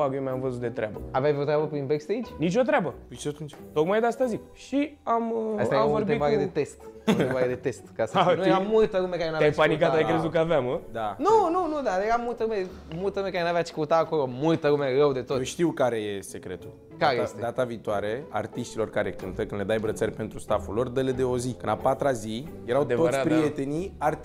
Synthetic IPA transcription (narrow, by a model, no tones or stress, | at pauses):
aɡemɛvozud̪et̪ɾɛbɐavɛjvet̪ɾɛbɐpĩmbɛkst̪ejd͡ʒnit͡ʃ̬uɐt̪ɾɛbɐpiʃt̪et̪unit͡ʃt̪okmad̪ast̪azi | ʃiamɛsɛãɾb̪ipaɣɐd̪ɪt̪est̪t̪etbaɣɐd̪ɪt̪est̪kasãamũjt̪ɐkumɛkanavɛ̃panik̬at̪aikɾezukavɛmd̪anɐ̃wnɐ̃w̃nɐ̃w̃d̪ad̪eɣamũj̃t̪ɐɣumɛ | mult̪əɾume̞kaɾenaveat͡ʃi̥kut̪aːkolomult̪əɾumerəwd̪et̪ot̪nuʃt̪iwkaɾe̞jesekɾet̪ul | kaaɾejestd̪ed̪at̪aviːt̪oaɾea̰rt̪iʃt̪ilo̞rkaɾe̞kɨnt̪əkɨnle̞d̪ajbɾət̪serʲpe̞nt̪ɾust̪afulːo̞rd̪əled̪eo̞zikɨnapat̪ɾazijeɾawd̪eotspɾijet̪e̞niar